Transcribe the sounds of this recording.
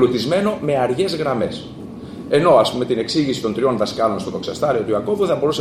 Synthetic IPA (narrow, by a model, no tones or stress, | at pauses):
lut̪izme̞no̞me̞ɐɾʝe̞zɣɾɐme̞s | e̞no̞ɐspume̞t̪ine̞ksiʝisi̥t̪o̞nt̪ɾio̞nðɐskɐlo̞nst̪oðo̞ksɐst̪ɐɾio̞t̪uɐko̞vuθɐbo̞ɾuse